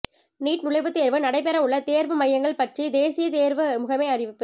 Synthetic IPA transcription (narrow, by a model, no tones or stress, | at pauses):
niːʈnʊɭɐɪʋɯt̪eːɾʋɯnɐɽɐɪp̬ɛɾɐʊɭːɐt̪eːɾʋɯmɐjːɐŋɡɐɭpɐʈrid̪eːsɪjɐt̪eːɾʋɯɐmɯɣɐmeːɐrɪʋɪpːɯ